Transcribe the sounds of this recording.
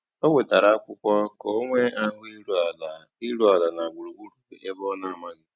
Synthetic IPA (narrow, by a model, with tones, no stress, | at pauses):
o˦ŋʷe˨ta˨ɾa˨a˦kʷʊ˦kʷɔ˦ko˦ŋʷe˦a˦ɦʊ˦i˦ɾu˦a˨la˨ | i˦ɾu˦a˨la˨na˨ɡ͡bu˨ɾu˨ɡ͡bu˦ɾu˨kḛ˨ʔe˦bɔ˦na˦˨a˨ma˦ɡɪ˦